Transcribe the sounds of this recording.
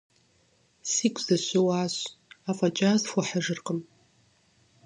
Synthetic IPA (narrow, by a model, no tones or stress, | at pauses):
siːkʷʰʼz̥ɐɕɪwaːɕafʼat͡ʃʼazfʷʊħaʐɨrqʼəm